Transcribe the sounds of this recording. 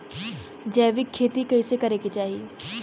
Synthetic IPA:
d͡ʒɛːʋɪkʰːeːt̪ikɐisekɐɾekit͡ʃaːɦie

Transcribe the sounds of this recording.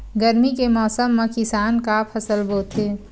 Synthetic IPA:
ɡəɾmikemɔːsəmːẽkɪsaːnkapʰɐsəlbʱoːt̪eː

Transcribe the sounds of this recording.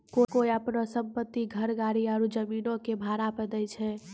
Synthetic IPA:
kokoiəpnosəmpət̪ːiɡʱəɾɡaɾiaɾud͡ʒəminõkebʱaɾapəd̪əjt͡ʃʰɛ

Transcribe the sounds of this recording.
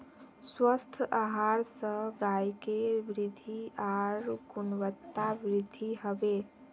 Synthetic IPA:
swəst̪ʰaɦaɾsə̃ɡajkebɾid̪ʱiaɾɡunwət̪ːabɾid̪ʱiɦəbe

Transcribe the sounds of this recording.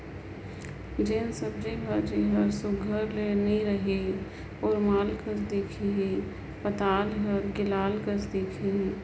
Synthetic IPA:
d͡ʒeːnsəb̚d͡ʒibʱəd͡ʒeɦəɾsʊɡʱəɾleniɾəɦi | ɔːɾmaːlkəɾd̪ekʰiɦ | pət̪aːlɦəɾɡɪlaːlkəɾd̪eːkʰi

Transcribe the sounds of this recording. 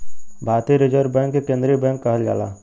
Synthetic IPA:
bʱaːɾt̪iɾɪd͡ʒəɾbɛ̃ŋkːekẽːnd̪ɾibɛ̃ŋkːəɦəlɡa̰ːla̰ː

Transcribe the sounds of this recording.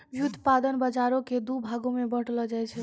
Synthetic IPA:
jut̪pad̪ənbəd͡ʒaɾoked̪ubʱaɡomebəʈləd͡ʒajt͡ʃʰɛ

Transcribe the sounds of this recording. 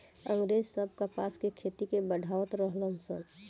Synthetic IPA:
ə̃ŋɡɾed͡ʒsəb̚ʱkəpaskekʰet̪ikebəɖʱawət̪ɾəɦləmsə̰n

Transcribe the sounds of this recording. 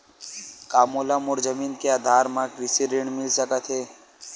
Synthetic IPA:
kaːmoːlamʊɾzəmiːnkeaːd̪ʱaːɾmãkɾɪsiɾɪɳmɪlsəkət̪ʰɦeː

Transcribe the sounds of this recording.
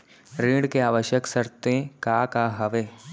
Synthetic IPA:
ɾiːɽkeaːʋəʃjəksəɾt̪ẽkaːkaɦɐʋeː

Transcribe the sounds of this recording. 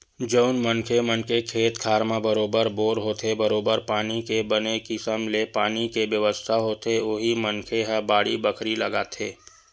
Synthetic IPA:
d͡ʒəʊnmənkʰemənkekʰeːt̪kʰaːɾmabəɾoːbəɾboːɾɦoːt̪ʰebəɾoːbəɾpaːnikebənekisəmlepaːnikeʋjəʋəst̪ʰaɦoːt̪eoːɦimənkʰeɦəbaːɽibəkʰɾiləɡaːt̪ʰeː

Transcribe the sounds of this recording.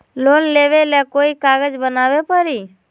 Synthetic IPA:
loːnleːʋelekoːikaːɡəd͡ʒbənaːʋepəɾiː

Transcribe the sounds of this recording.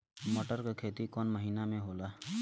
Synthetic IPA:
moʈəɾkekʰeːt̪ikɔnməɦiːnamẽɦoːlaː

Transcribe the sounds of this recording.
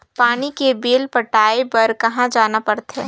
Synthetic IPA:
paːnikebeːlpəʈaːepɐɾkɐɦãd͡ʒaːnapəɾt̪ɦɛː

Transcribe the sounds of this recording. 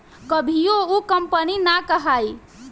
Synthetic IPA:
kəbʱijoukəmpəninakəɦaːi

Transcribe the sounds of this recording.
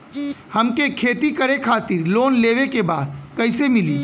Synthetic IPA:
həmkekʰeːt̪ikəɾekʰaːt̪ɪɾloːnleːʋekebaːd̪̚kəɪsemɪliː

